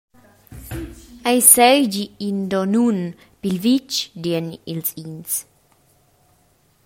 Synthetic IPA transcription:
ajsɛjd͡ʒiind̪ɔnun | pilvit͡ʃd̪ɛnilsins

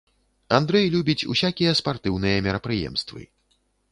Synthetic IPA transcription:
and̪ɾɛjlʲubʲit͡sʲṵsʲakʲijɐspart̪ɨwnɨjɐmʲɛɾɐpɾɨjɛ̰mst̪vɨ̰

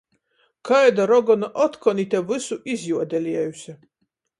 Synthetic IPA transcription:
kʰajd̪aɾɔɡɔnaʔɔt̪kʰɔnit̪ʲɛvɨsuʔizʲjuɔd̪ʲɛlʲiɛjusʲɛ

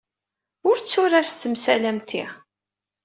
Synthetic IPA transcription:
ʊɾt͡sːʊɾaɾst̪əmsælæmt̪ḭ

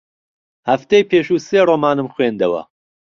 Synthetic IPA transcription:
hɐft̪ejpʰeːʃuseːroːmaːnɨmxweːnd̪ɐwɐ̰

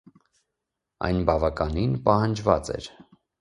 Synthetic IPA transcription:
ɑ̰jnbɑvɑkɑninpɑhɑnd͡ʒvɑ̰t͡sɛ̰ɾ

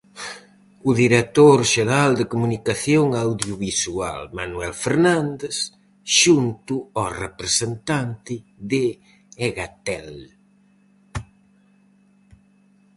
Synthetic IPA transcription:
ʊðiɾet̪oɾʃeɾald̪ekumunikaθjoŋawðjuβisua̰lmanuɛlfeɾnãnd̪es | ʃunt̪ʊɔrepɾesent̪ant̪ɪðɪ | eɣat̪ɛl

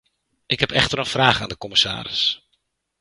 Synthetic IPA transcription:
ʔɪkɦɛpɛχtəɾənfraːχa̰ːndəkɔmɪsa̰ːɾɪ̰s

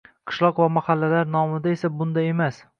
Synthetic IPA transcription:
qʰɨ̥ʃlˠɒqvamahalːalaɾnɒmɪd̪aesabʊnd̪ae̞mas

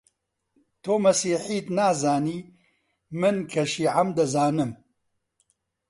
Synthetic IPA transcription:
t̪ʰoːmɐsiːħiːt̪naːzaːniː | mɨnkʰɐʃiːʕamd̪ɐzaːnɨm

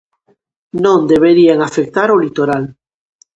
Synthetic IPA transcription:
nõnd̪eβeɾiaŋafek̚t̪aɾolit̪oɾal

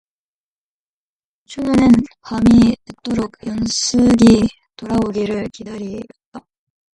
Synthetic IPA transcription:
t͡ɕʰunɯnɯnpamitɯt͈oɾokjʌnsʰɯɡi | toɾaoɡiɾɯɭkidaɾiʌt̚t͈a

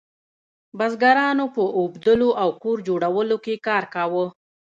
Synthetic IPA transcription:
bazɡaɾɑnopəʔobd̪əloʔawkoɾd͡ʒoɽawəlokekɑɾkawə

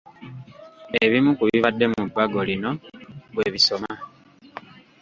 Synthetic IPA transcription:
eβimukuβiβadːe̞mudwaɡo̞lino̞βwe̞ːβiso̞ma

